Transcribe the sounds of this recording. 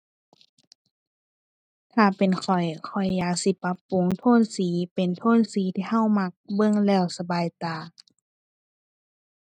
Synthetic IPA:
t̪ʰaː˧˩pe˨nkʰɔ˨˩jkʰɔ˨˩jːaː˧˩k̚si˧˦pa˧˦˥pːu˨˦ŋt̪ʰoː˧˥˨nsiː˨˦pe˨nt̪ʰoː˧˥˨nsiː˨˦t̪ʰiː˧ha˧˩˨wma˧k̚bɤ˧˥˨ŋlɛː˧˩˨wsa˧baː˨jt̪aː˨˩

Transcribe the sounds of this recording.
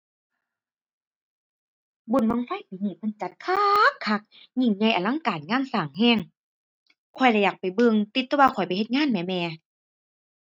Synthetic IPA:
bu˧˩˨nma˧˨ŋfa˧˥˨piː˨˦niː˧˩pʰɯ˧˥˨nt͡ɕa˧˦t̪̚kʰaː˧kʰːa˧k̚ | ɲi˧˩˨ŋɲa˧˩jʔa˨˩˨la˧˥˨ŋkaː˨˩nŋaː˧˥˨nsaː˨˩ŋɦɛː˧˥˩ŋ | kʰɔ˧˩jlɛ˧˨jaː˨˩k̚pa˨˩jbɯ˧ŋt̪i˧˦t̪ːɔ˧˦waː˧kʰɔ˨˩jpa˨he˧t̪̚ŋaː˧˥˨nmɛː˧˩mɛː˧

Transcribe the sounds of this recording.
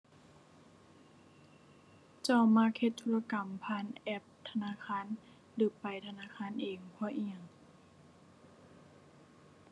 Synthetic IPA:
t͡ɕa˧˩wma˧˥˨k̚he˧t̪ʰːuː˧˥˩la˧ka˨˩mpʰaː˧˨nʔɛ˧˩p̚t̪ʰa˧naː˧˥˨kʰaː˧˥˨n | lɯː˧˦pa˨˩jt̪ʰa˧naː˧˥˨kʰaː˧˥˨nʔeː˨˩ŋpʰɔː˧˥˨ʔi˧˩ə˩ŋ

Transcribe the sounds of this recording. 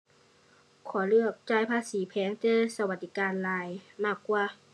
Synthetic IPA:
kʰɔː˨˩˦lɯ˥˩ək̚t͡ɕaː˧˩jpʰaː˧˥siː˩˦pʰɛː˨˦ŋt͡ɕɤː˧sa˧wa˧˩t̪̚ːi˧˩kaː˧nlaː˧jmaː˥˩kːwaː˧˩

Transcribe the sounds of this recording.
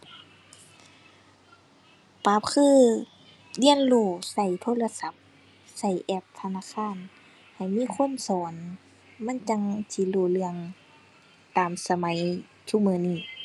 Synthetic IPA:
paː˨˦p̚kʰɯː˧˥˨ | li˧˨ənloː˧˩sa˧˩jt̪ʰoː˧˥˨la˧sa˧˦p̚ | sa˧˩jʔɛː˧˩p̚t̪ʰa˧naː˧˥˨kʰaː˧˥˨n | ha˨˩jmiː˧˥˨kʰo˧˥˨nsɔː˨˦n | ma˧˥˨nt͡ɕa˧˦ŋsi˧˦loː˧˩lɯ˧əŋ | t̪aː˨msa˧ma˨˦j | sʰu˧˨mɯː˧˦niː˧˩

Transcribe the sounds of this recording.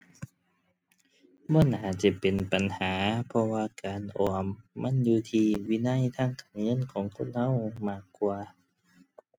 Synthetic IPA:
bɔː˧˥˨naː˨˧˦t͡ɕa˧˩pe˨npa˨nhaː˨˦pʰɔ˧waː˧kaː˨nʔɔː˨˩mːa˧˥˨njuː˧t̪ʰiː˧wiː˧˥˨na˧˥˨jt̪ʰaː˧˥˨ŋkaː˨nŋɤ˧˥˨nkʰɔː˨˦ŋkʰo˧˥˨nha˧˥˨wmaː˧˩kːwaː˧

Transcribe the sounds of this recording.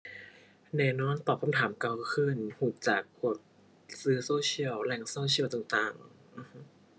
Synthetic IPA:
nɛː˧˩nɔː˧˥˨nt̪ɔː˨˩p̚kʰa˧mt̪ʰaː˩˦mkaː˧˩wkʰɯ˧˥˩nhu˨˩t̪̚t͡ɕaː˨˩k̚ʰːu˨˩ət̪̚ | sɯː˦˥soː˧˥t͡ɕʰi˧˩əwlɛ˧˩ŋsoː˧˥t͡ɕʰi˧˥˨wt̪aː˨˩ŋt̪aː˨˩ŋ | ʔɯ˧˩˦

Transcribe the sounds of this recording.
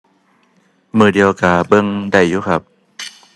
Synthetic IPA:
mɯː˨˩di˧əwkaː˨˧˩bɤ˧˨ŋda˧˩jːuː˧˥kʰa˦˥p̚

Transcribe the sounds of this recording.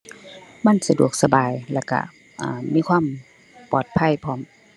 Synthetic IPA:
ma˧˥˨nsa˧du˨˩ək̚sa˧baː˨˩jlɛː˧˩wka̰˧˩ | ʔaː˨˩miː˧˥˨kʰwaː˧˥˨m | pɔː˨˩t̪̚pʰa˧˥˨jpʰɔː˧˩˨m

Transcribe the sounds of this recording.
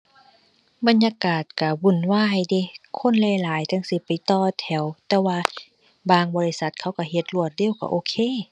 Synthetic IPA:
ba˧˨njaː˧˨kaː˨˩t̪̚ka˧˩bu˧˩˨nwaː˧˥˨jde˧˨kʰo˧˥˨nlɛː˧˨laː˨˦jt̪ʰa˧˥˨ŋsi˧˦pa˨jt̪ɔː˧t̪ʰɛ˨˩wt̪ɛː˧waː˧ | baː˧˨ŋbɔː˧li˧sa˧˦t̪̚kʰa˧˥˩wka˧˩ɦe˧˦t̪̚lu˧˩ət̪̚deː˧˨wka̰˧˨ʔoː˧˨kʰeː˧˨

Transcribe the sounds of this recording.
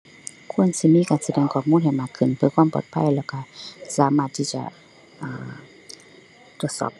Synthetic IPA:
kʰu˧˥˨ə˨nsi˧˨miː˧˥˨kaː˨˩nsa˧dɛː˧˩ŋkʰɔː˨˩p̚muː˧˥˨nɦa˨˩jmaː˧˩kʰːɯ˧˩˨npʰɯ˧˨kʰwaː˧˥˨mpɔ̰ː˧˩t̪̚pʰa˧˥˨jlɛː˧˩wka˧˩saː˨˦maː˧˩t̪ʰːiː˧˩t͡ɕa̰˧˩ | ʔaː˨˩ | t̪u˧ət̪sɔ̰ː˧˩p̚

